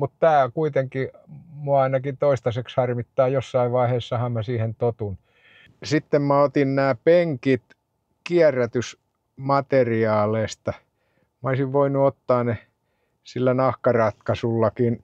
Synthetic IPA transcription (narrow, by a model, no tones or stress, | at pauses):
mut̪t̪æːkuit̪eŋkimuɑɑinɑkint̪oist̪ɑsekshɑrmit̪ːɑːjosːɑiʋʋɑiheːsːɑhɑmmæsiːhent̪ot̪un | sit̪ːemmæot̪innæːpeŋkit̪ | kiærːæt̪ys | mɑt̪eriɑːleist̪ɑ | mɑoisiʋʋoinuot̪ːɑːne | silːænɑhkɑrɑt̪kɑsulːɑkin